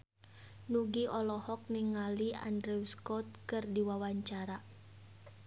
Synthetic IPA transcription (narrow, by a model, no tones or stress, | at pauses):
nuɡiɔlɔhɔk̚niŋːalia̰ndɾɛuskɔt̪̚kɨrdiwawaɲt͡ʃaɾa